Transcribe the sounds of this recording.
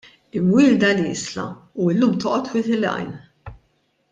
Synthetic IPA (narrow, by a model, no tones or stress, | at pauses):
ɪmwɪːld̪ɐlɪ̰ːslɐ̰ | uɪlːuːmt̪ɔːʔɔt̪wɪːt̪ɪlɐ̰jn